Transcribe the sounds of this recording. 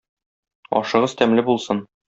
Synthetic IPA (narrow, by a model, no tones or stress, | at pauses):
ɒ̰ʃɤ̆ʁɤzt̪æmlɘbulˠsɤn